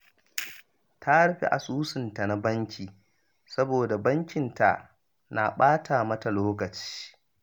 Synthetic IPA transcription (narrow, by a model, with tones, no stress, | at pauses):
tʰa˦ɽɸḭ˨ʔa̰˨suː˦sɪ˨nta˨na˦bɐ˦ŋkʲiː˨ | sɐ˦boː˨da˨bɐ˦ŋkʲɪ˨nta̰˨ | na˨ɓaː˦tʰa˨mɐ˦ta˨loː˦kɐ˨t͡ʃi̥ː˦